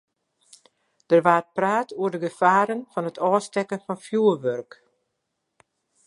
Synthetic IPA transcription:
d̥ərʋaːr̚praːtʰuərdəɡəfaːɾənfɔnɦətʰɔːstɛkənfɔnfjuːəʋørk

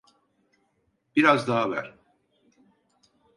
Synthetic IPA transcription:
b̥iɾazd̪aɦavæ̰ɾ̥

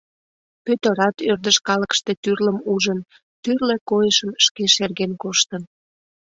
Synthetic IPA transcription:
pøt̪ə̆ɾɑt̪ørd̪əʃkɑləkʃt̪e̽t̪yrləmuʒən | t̪yrlekojəʃəmʃkeʃerɣenkoʃt̪ən

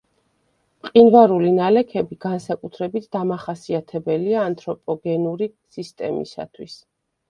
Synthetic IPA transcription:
mqʼinvaɾulinalɛkʰɛbiɡansakʼut̪ʰɾɛbit̪ʰd̪̥amaχasiat̪ʰɛbɛliaːnt̪ʰʼɾɔpʼɔɡɛnuɾi | sist̪ʼɛ̰mḭsa̰t̪ʰwis

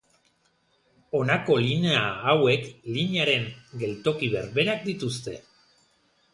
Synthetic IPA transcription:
o̞nako̞line̞aːwe̞kliɲaɾe̞ŋɡe̞lt̪o̞kiβe̞̰ɾβe̞ɾak̚d̪it̪ust̪e̞̰

